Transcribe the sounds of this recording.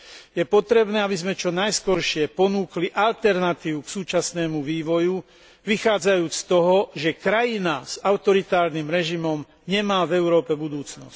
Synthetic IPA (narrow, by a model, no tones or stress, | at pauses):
jɛpɔt̪ɾɛbnɛːabizmɛt͡ʃɔnajskɔɾʃɪɛpɔnuːkliʔalt̪ɛɾnat̪iːʋuksuːt͡ʃasnɛːmuʋiːʋɔju | ʋixaːd͡zajuːt͡sst̪ɔɦɔʒɛkɾajinaz̥aʊt̪ɔɾit̪aːɾnimɾɛʒimɔm | ɲɛmaːvɛʊɾɔːpɛbud̪uːt͡snɔ̰sc